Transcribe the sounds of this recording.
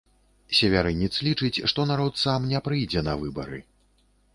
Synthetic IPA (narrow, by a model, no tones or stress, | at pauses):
sʲɛvʲaɾɨnʲːit̪slʲit͡ʂɨt͡sʲʂt̪ɔnaɾɔt̪samnʲɛpɾɨjd͡zʲɛnɐvɨbɐɾɨ